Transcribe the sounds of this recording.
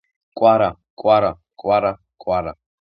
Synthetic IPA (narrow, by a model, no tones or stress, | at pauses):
kʼwaɾa | kʼwaɾa | kʼwaɾa | kʼwaɾa̰